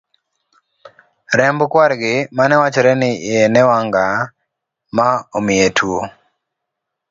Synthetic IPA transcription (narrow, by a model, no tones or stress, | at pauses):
ɾɛmbkwaɾɡɪmanɛwat͡ʃɔɾɛnɪenɛwaŋɡa | maomɪetʰwo